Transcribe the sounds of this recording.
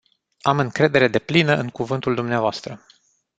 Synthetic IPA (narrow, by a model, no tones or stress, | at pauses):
amɨŋkɾe̞d̪e̞ɾe̞d̪e̞plinəʔɨŋkuvɨnt̪uld̪umneavoast̪ɾə